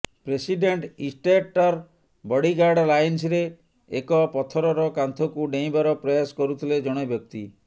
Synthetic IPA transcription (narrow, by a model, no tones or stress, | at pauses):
pɾesiɖeɳʈisʈeʈɔɾ | bɔɽiɡaɾɖlajnsɾeː | kɔpɔt̪ʰɔɾɔɾɔkant̪ʰɔkuɖẽj̃baɾɔpɾɔjasɔ̥kɔɾut̪ʰiled͡ʒɔɽ̃ebjɔk̚t̪i